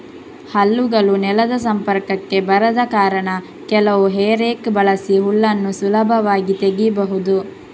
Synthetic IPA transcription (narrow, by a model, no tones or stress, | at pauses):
hɐlːuɡɐlunɛlɐd̪ɐsɐmpɐɾkɐkːe̞bɐɾɐd̪ɐkaːɾɐɳɐ | kɛlɐʋuɦeːɾeːkbɐɭɐsiɦuɭːɐnːusulɐbʱɐʋaːɡit̪eɡibɐɦud̪u